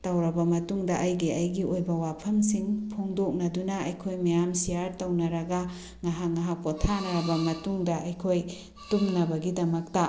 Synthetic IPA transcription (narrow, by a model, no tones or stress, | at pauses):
tɐwɾɐbɐmɐtuŋdɐʔɐjɡiɐjɡiʔojbɐwapʰɐmsiŋpʰoŋdok̚nɐdunɐɐjkʰojmɐjamsijaɾtɐwnɐɾɐɡɐ | ŋaɦaŋaɦapotʰanɐɾɐbɐmɐtuŋdɐʔɐjkʰoj | tumnɐbɐɡidɐmɐk̚tɐ